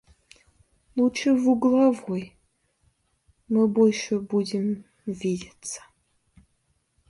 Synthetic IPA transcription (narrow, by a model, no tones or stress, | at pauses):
lˠut͡ʃʰɨvuɡlɐvʊj | mɨbolʃɛbuːdɪm | vidʲɐt͡sʰɐ̥